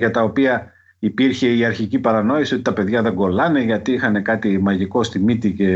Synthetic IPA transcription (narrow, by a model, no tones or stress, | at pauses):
ʝɐt̪ɐo̞piɐ | ipiɾçe̞iɐɾçicipɐɾɐno̞isio̞t̪i̥t̪ɐpe̞ðʝɐðe̞ŋɡo̞lɐne̞ʝɐt̪iixɐne̞kɐt̪imɐʝiko̞st̪imit̪ice̞